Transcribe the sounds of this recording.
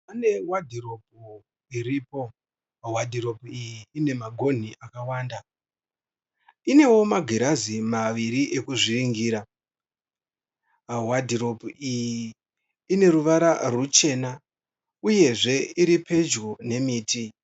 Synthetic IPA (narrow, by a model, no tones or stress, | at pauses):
pane̞wadʱiro̞p̚u | iriːpo̞ | wadʱiɾo̞puijiːne̞maɡʱo̞n̤iʔakawaːnda | ine̞wo̞maɡʱeɾazimaʋiɾiʔekuʐiriŋɡiːɾa | wadʱiɾo̞puijiː | ne̞ɾuʋaɾarut͡ʃe̞na | uje̞ʐe̞iɾipe̞d͡ʒɡone̞miːtʰi